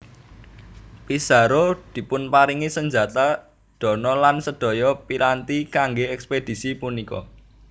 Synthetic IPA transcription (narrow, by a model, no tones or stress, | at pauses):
pisa̤ɾod̪̥i̤pʊnpaɾiŋisəɲd͡ʒa̤t̪a | d̪̥ɔ̤nɔlansəd̪̥ɔ̤jɔpiɾant̪ikaŋɡeɛksped̪̥i̤sipunikɔ̰